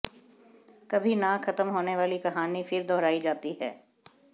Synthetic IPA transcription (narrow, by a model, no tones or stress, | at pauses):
kɐbʱinaxɐt̪əmɦoːneʋaːlikɐɦaːnifɪɾd̪ɔːɾaːid͡ʒaːt̪iɦɛ̰ː